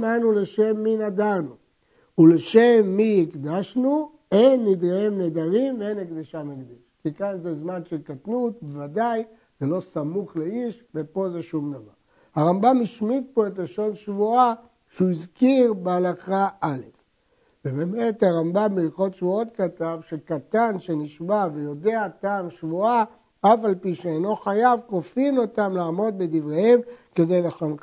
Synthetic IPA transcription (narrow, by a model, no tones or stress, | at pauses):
manule̞ʃe̞mːinad̪aʁnu | uleʃemːiikd̪aʃnu | enːid̪ʁaemned̪aʁimveenakd̪iʃamaɡd̪iʃkikanzezmanʃelkatnut̚bevad̪aj | zelo̞samuχleiʃvepo̞zeʃumd̪ava̰ʁ | haʁambamiʃmit̪̚po̞e̞tleʃo̞nʃvua | ʃeuizkiʁbealaχaʔale̞f | vebemethaʁambamːilχo̞t̪ʃvuo̞t̪katavʃekat̪anʃe̞niʃmavejo̞de̞ataːmʃvua | afalpiʃeejno̞χajavko̞fino̞tamlaːmo̞d̪̚be̞d̪ivʁehemke̞d̪e̞jleχon